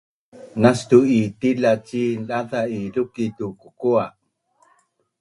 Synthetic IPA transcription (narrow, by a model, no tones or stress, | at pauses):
nastuitilat͡ɕiɗaðailukitukukua